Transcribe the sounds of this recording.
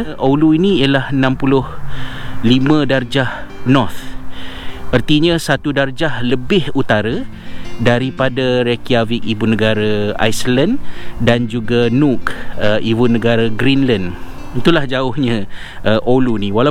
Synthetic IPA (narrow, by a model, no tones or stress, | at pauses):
ʔoluiniijalahənãmpulʊh | limə̃dard͡ʒahnɔrt̪ | ərt̪iɲə̃sat̪udard͡ʒahləbɪhut̪aɾa | daɾipadaɾekiavikibunəɡaɾaa̰jsəlandand͡ʒuɡanukəʔibunəɡaɾaɡɾinlan | it̪ulahd͡ʒaʊhɲã | ʔəʔoluniwala